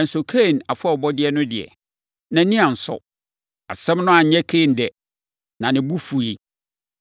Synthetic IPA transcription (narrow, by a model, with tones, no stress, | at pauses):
n̩˨sʊ˨kʰe˦˨na˨fa˦˨ɔ˨bɔ˦dɪ˦ɛ˦nʊ̃˦dɪ˨ɛ̰˨ | nã˨˦nĩ˦ã˨n̩˨sɔ̰˨ | a̰˨sɛ̃˦mnʊ̃˦a˨ɲ̩˦ɲɛ̃˦kʰe˦˨n˨dɛ˨ | nã˨nɪ̃˨bu˦fu˨i˦